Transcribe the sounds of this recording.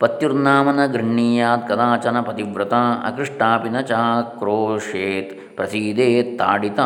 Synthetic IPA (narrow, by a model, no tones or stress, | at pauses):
pɐt̪juɾnaːmɐnɐɡɾɐɳːiːjaːt̪̚kɐd̪aːt͡ʃɐnɐpɐt̪iʋɾɐt̪aːɐ̰kɾiʂʈaːpinɐt͡ʃaːkɾoːʂeːt̪ | pɾɐsiːd̪eːt̪ːa̰ːɖit̪aː